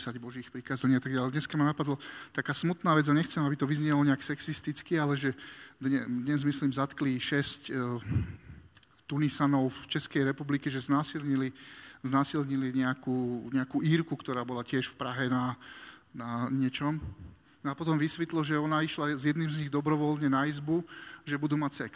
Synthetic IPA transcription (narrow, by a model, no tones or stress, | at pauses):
saɟbɔʒiːxpɾikaːzaɲiat̪aɡɟalɛd̪ɲɛskamanapad̪lɔt̪akaːsmut̪naːʋɛd͡zjaɲɛxt͡sɛmabit̪ɔʋizɲɪɛlɔɲɛaksɛksist̪it͡skialɛʒɛd̪ɲɛd̪ɲɛzmislimzat̪kliʃɛsc | t̪unisanɔʊft͡ʃɛskɛjɾɛpublikɛʒɛznaːsilɲiliznaːsilɲiliɲɛakuːɲɛakuːʔiːɾkukt̪ɔɾaːbɔlacɪɛʃfpɾaɦɛnanaɲɪɛt͡ʃɔm | nɔapɔt̪ɔmʋisʋit̪lɔʒɛɔnaiʃlazjɛd̪niːmzɲiɣd̪ɔbɾɔʋɔlɲɛnaizbuʒɛbud̪uːmacsɛks